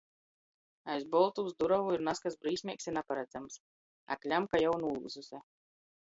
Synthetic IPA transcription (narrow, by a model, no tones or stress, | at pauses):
ajzbɔlˠt̪uwsd̪uɾavuiɾnaskasbɾiːsmʲiɛksiɾnapaɾad̪zams | a̰klʲamkajawnuːlˠsusʲɛ